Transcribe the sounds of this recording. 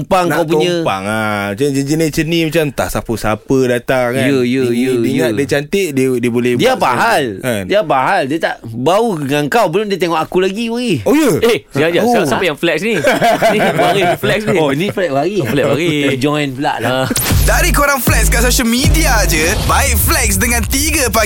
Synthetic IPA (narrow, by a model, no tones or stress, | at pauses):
mpaŋkawpuɔɲə̃pa̰ŋamat͡ʃamd͡ʒəd͡ʒənet͡ʃənimat͡ʃamt̪a̰ʔsapəsapədat̪aŋːajjəjəjədəŋaʔdit͡ʃant̪əʔdədiəbolɛhdiapaɦaladiapaɦaldiat̪a̰ʔbauŋaŋkawbəlomdiət̪̬eŋɔʔakulaɡibaɣiojəehsəŋad͡ʒaoasapəjaŋflɛksni | aɣiflɛksnioiniflɛʔ̚baɣiaflɛʔaɣid͡ʒɔjnfəla̰ʔladaɾikoɾaŋflɛkskasoʃəlmidiad͡ʒəbaɪʔ̚flɛk̚sdəŋãnt̪iɡəpa